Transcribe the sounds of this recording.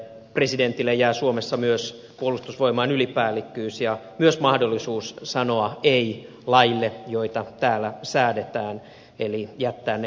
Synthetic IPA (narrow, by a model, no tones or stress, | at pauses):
preside̞nt̪ːilːejæːsuomesːɑmyøs | puolust̪usʋo̞imɑːnylipæːlikːyːsjɑmyøsmɑhdolːisuːssɑnoɑei | lɑilːejoit̪ɑt̪æːlːˑæsæːdet̪æːn | elijæt̪ːæːn